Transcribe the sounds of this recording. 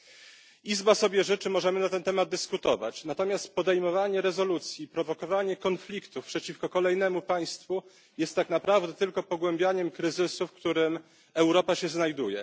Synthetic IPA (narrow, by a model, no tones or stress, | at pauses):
izbasɔbʲjɛʐɘt͡ʂɘmɔʐɛmɘnat̪ɛnt̪ɛmad̪̚d̪ɘskut̪ɔva̰t͡ɕnat̪ɔmʲjast̪pɔd̪ɛjmɔvaɲɛɾɛzɔlut̪sʲjipɾɔvɔkɔvaɲɛkɔnflʲikt̪ufpʂɛt͡ɕifkɔkɔlɛjnɛmupaj̃st̪fu | jɛst̪ːaknapɾavd̪ɛt̪ɘlkɔpɔɡwɛmbʲjaɲɛmkɾɘzɘsufkt̪uɾɘm | ɛwɾɔpaɕɛznajd̪ujɛ̰